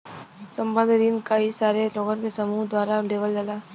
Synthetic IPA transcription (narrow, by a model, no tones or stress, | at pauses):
sə̃mbə̃nd̪ʱɾiːnkaisaːɾeloːɡənkesɐmuːɦd̪waːɾaɖeːʋəld͡ʒəlaː